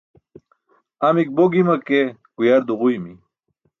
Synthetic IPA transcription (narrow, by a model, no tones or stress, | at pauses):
amik̚boɡimakeɡ̥ujaɾd̪uʁujmi